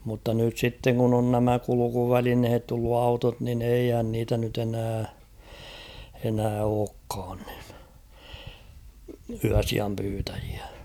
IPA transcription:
mutːɑ nyt sitːeŋ kun on næmæ kulukuʋælinhet tulːu ɑutot nin eihæn niːtæ nyt enæː enæː oːkːɑːn n̥i̥n̥ yæsiɑm pyːtæj̊i̥æ̥

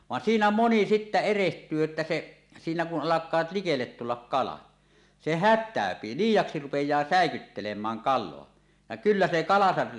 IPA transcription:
ʋɑn siːnæ moni sitːæ erehtˑyː etːæ se siːnæ kun ʔɑlɑkˑɑːt likelːet tulːɑk kɑlɑ se hætˑæˑøpi liːjˑɑksi rupejˑɑː sæˑekytːelemˑæːŋ kɑlˑoɑ jɑ kylːæ se kɑlɑsɑ

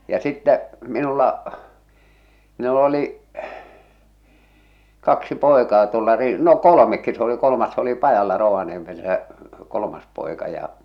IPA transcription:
jɑ sitːæ minulːɑ minul oliʔ kɑksi poˑekɑː tuolːɑ ri no kolomekːi s oli kolomɑs s oli pɑjɑlːɑ roʋɑniemel sæ kolomɑs poˑekɑ jɑ

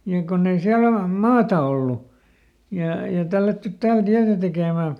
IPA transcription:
jɑ konː ei siæl ol mɑːtɑ olːu jɑ jɑ tælːætːyt tæːl tiætæ tekeˑmæˑ

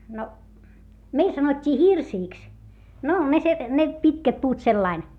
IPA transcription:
no meil sɑnotʲːiː hirsiːks no ne se ne pitkæt puːt selːɑin

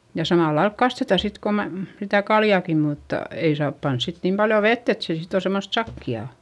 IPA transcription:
jɑ sɑmɑˑlːɑilk kɑstetɑ sit ko mæm sitæ kɑljɑˑki mutːɑ ei sɑːp pɑns sit niːm pɑljo ʋetː et se sit on̞ semːost sɑkːiɑˑ

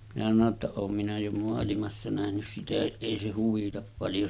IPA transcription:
minæ sɑno tːɑ oːm minæ jo moɑlimɑsːɑ næhnys sitæhiʔ ʔeˑi se huʋitɑp pɑljo

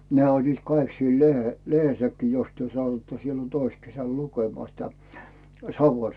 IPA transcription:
nĕæˑ olʲliːt kɑik siel lehehesːækːiː jos tyø sɑtuĭtːɑ silːon tois kesæl lukemŏɑˑ sitæ sɑʋon

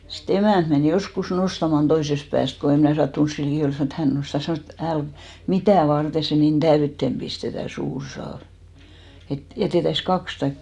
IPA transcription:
sit emæˑnt men joskus nostɑmɑn toisest pæːst ko em mnæˑ sɑtːuns siːn likiˑ ol sɑnoˑ et hæn nostɑ sɑnoˑs et æl mitæˑ ʋɑrte se nin d̥æytːem b̥istetæ suːr sɑːʋ et jæteˑtæis kɑks tɑik

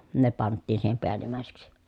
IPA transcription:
ne pɑntːiːn siːhem peælimˑæˑeseksi

